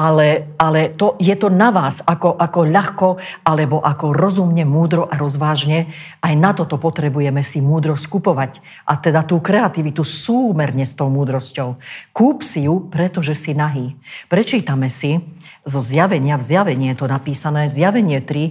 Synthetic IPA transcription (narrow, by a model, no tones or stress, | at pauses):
alɛalɛt̪ɔjɛt̪ɔnaʋaːzakɔʔakɔʎaxkɔalɛbɔʔakɔɾɔzumɲɛmuːd̪ɾɔʔaɾɔzʋaːʒɲɛʔajnat̪ɔt̪ɔpɔt̪ɾɛbujɛmɛsimuːd̪ɾɔskupɔʋac | ʔat̪ɛd̪at̪uːkɾɛat̪iʋit̪usuːmɛɾɲɛst̪ɔʊmuːd̪ɾɔscɔʊkuːpsijupɾɛt̪ɔʒɛsinaɦiːpɾɛt͡ʃiːt̪amɛsi | zɔzjaʋɛɲɪavzjaʋɛɲɪɛt̪ɔnapiːsanɛːzjaʋɛɲɪɛt̪ɾi